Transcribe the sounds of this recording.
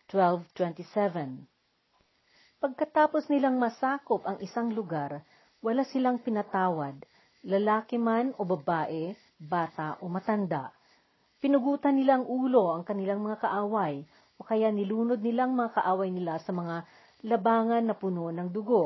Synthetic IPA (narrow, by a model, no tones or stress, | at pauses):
t̪wɛlvt̪wɛ̃nt̪isɛvɛn | pɐɡ̚kɐt̪aːpo̞snɪlaŋmɐsaːko̞pɐŋʔɪsaŋlʊɡaɾ | wɐlasɪlaŋpɪnɐt̪aːwɐd̪̚ | lɐlaːkɪmano̞bɐbaːʔɛ | baːt̪aʔo̞mɐt̪ɐnd̪a̰ʔ | pɪnʊɡuːt̪ɐnːɪlaɐŋʔuːlo̞ʔɐŋkɐnɪlaŋmɐŋakɐʔaːwɐj | ʔokɐjanɪluːno̞d̪̚nɪlaŋmɐŋakɐʔaːwɐjnɪlasɐmɐŋa | lɐbaːŋɐnːɐpʊno̞nɐŋd̪ʊɡo̞